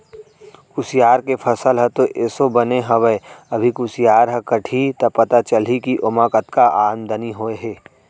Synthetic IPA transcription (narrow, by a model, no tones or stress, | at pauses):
kʊsijaːɾkepʰəsəlɦət̪oʔeːsobəneɦəʋəeɐbʱikʊsjaːɾɦəkəʈʰit̪ɐpɐt̪at͡ʃəlɦikiʔomakət̪kaʔaːnd̪ʱəniɦoːeɦeː